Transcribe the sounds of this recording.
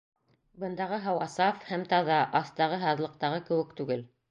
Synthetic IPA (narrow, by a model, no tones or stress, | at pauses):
bɤ̆nd̪ɑʁɤɦɑwɑsɑfhæmt̪ɑðɑʔɑθt̪ɑʁɤɦɑðlˠɤ̆q̚t̪ɑʁɤkɘ̆wɘ̆kt̪ʉɡɘl